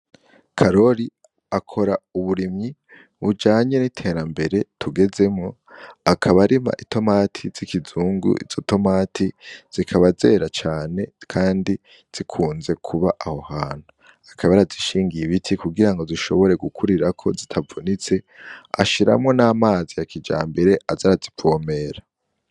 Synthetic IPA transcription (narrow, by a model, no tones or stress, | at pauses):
kʰaɾo̞ɾi | akʰo̞ɾauβuɾimɲi | βud͡ʒaːɲe̞nitʰe̞ːɾambe̞ɾe̞tʰuɡe̞ze̞mŋo̞ | akʰaβaɾima̰ʔitʰo̞matʰiz̥ikizuːŋɡṵʔḭz̥o̞to̞maːtʰiz̥ikʰaβaze̞ːɾat͡ʃaːne̞kʰaːndi | z̥ikʰuːnze̞kʰuβaʔaho̞haːn̥hu | ḁkʰaβaɾaziʃiːŋɡiiβitʰikuɡiɾaŋɡo̞ziʃo̞βo̞ɾe̞ɡukʰuɾiɾakʰo̞zitʰavunit͡se̞ | a̰ʃiɾa̰mŋo̞naːmaːzijakid͡ʒa̰ːmbeɾe̞azaɾazipome̞ːɾa